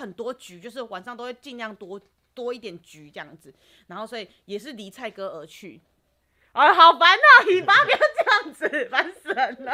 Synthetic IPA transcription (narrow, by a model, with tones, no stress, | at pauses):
ə˨˩nt̪wɔ˦˥t͡ɕy˨˦t͡ɕjo˥˧ʊʂ̬ɻ̩˥˩wa˨nʂɑ˥˧ŋt̪o˥ʊwɪt͡ɕi˥˧nljɑ˥˨ŋt̪wɔ˥ | t̪wɔ˦˥i˥˩t̪̬jɛ˨˩nt͡ɕy˨˦t͡ɕə˥˧ɑ˥˩ŋd͡zɹ̩˨˩ | na˧˦nxo˥˩ʊswɔ˧˦i˨˩jɛ˨˩ʂ̬ɻ̩˥˨li˨˥t͡sʰa˥˩ɪkɤ˥ə˧˥˦t͡ɕʰy̰˥˩ | ə˧ɦɑ˨˩ʊpa˧˦nə˨˩i˨˩pa˥pja˨˧˥ʊt͡ɕə˥˩jɑ˥˨˩ŋd͡zɨ˨˩fa˧˦nsə˧˦n